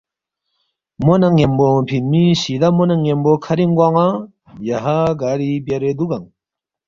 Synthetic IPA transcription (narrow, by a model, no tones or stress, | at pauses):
monaŋembopʰinmiɕid̪amonaŋembokʰɐɾiŋɡwaŋa | jaɦaɡaɾibjɐɾed̪uɡaŋ